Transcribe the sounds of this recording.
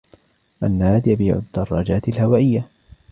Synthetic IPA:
ʔanːaːd̪jabiːʕʊ̰d̪ːɑrˤːɑːd͡ʒaːt̪ɪlhawaːʔɪjːa

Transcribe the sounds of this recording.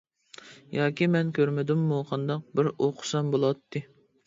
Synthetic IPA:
jɑːkʲimɛnkʲøɾmɪd̪ymːuqʰɑnd̪ɑq̚bɪɾoqʰʊ̥sɑmbolˠɑt̪ʰːɨ

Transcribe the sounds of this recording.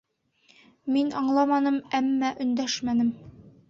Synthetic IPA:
minɒɴlˠɑmɑnɤmæmːæʔɵ̆nd̪æʃmænɘm

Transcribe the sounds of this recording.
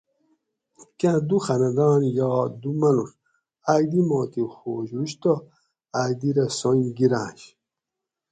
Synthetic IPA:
kãd̪uxɐnɐd̪ɑːnjɑːd̪umɐnuɾ | aɡd̪imoːt̪ixoːɕwuɕt̪o | aːd̪iɾɐsoɡiɾã̰ːɕ

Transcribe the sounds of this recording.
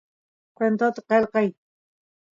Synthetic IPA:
qwent̪ot̪aqelqɑj

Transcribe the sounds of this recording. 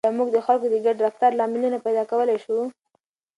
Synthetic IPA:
muɡd̪əxalkod̪əɡaɖdaft̪aɾlɑmɪlinapajd̪ɑkawəlajʃu

